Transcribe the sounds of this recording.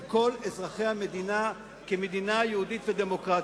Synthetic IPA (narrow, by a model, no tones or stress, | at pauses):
ko̞lezʁaχe̞jhame̞d̪ina | keme̞d̪inajeudit̪ved̪emo̞kʁa